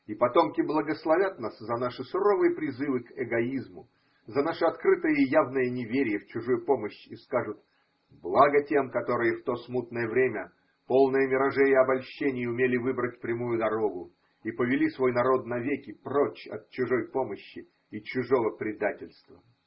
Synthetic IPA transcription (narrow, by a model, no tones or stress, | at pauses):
ipɐt̪o̞mkʲɪblˠəɡəslˠɐvʲat̪naszɐnaʂɨsʊɾovɨjəpɾʲɪzɨvɨkɛɡɐizmʊ | zɐnaʂɨɐt̪kɾɨt̪ɨjəɪjavnəjənʲɪvʲeɾʲɪjəft͡ɕʊʐujʊpo̞məɕːiskaʐʊt̪ | blˠaɡətʲe̞mkɐt̪o̞ɾɨjəft̪o̞smut̪̚nəjəvɾʲemʲə | po̞lˠnəjəmʲɪɾɐʐɛjəɐbɐlʲɕːenʲɪjəʊmʲelʲɪvɨbɾətʲfpɾʲɪmujʊd̪ɐɾo̞ɡʊ | ipəvʲɪlʲisvo̞jnɐɾo̞d̪nɐvʲekʲɪprot͡ɕɐ̰t̪̚t͡ɕʊʐo̞jpo̞məɕːɪ | it͡ɕʊʐo̞vəpɾʲɪd̪atʲɪlʲst̪və